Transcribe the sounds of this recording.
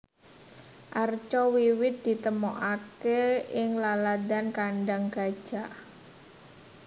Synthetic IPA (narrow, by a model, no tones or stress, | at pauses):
ʔart͡ʃɔwiwɪt̪̚d̪̥i̤t̪əmoʔakeɪŋlalad̪ankaɳɖaŋɡ̥a̤d̥ʒ̥a̤ʔ